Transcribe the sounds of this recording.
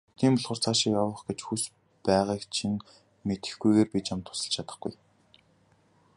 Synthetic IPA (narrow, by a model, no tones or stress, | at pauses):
t̪ʰiːmpɔɮʁə̆r̥t͡sʰaːʃiːkjawə̆χɡet͡ɕxus | pæːʁiːkt͡ɕʰiŋ | met̪ɘ̥̆xɡujɣeːrpit͡ɕamt̪ʰʊ̥sə̆ɬt͡ɕʰat̪ə̥̆χɡ̥ṵj